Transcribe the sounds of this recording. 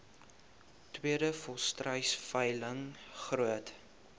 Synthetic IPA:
twiədəfɔstrəjsfəjləŋχruət

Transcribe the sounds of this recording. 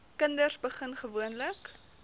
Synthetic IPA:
kəndərsbəχənχəvuənlək

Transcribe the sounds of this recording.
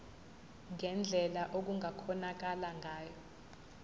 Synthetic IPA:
ŋɛnd͡ɮʱɛlaʔok̬uŋʱakʰɔnak̬alaŋɡʱaːjɔ

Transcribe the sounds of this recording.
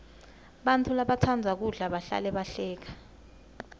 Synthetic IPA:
ɓantʰulaɓatʰand͡zʱak̬uɮaɓaɬa̰lɛɓaɬɛːk̬ḁ

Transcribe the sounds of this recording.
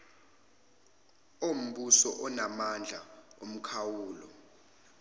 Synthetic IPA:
om̩ɓusɔʔɔnamand͡ɮʱaom̩kʰawuːlɔ̰

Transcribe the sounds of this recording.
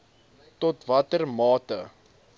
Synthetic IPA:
tɔtvɐtərmɑːtə̰

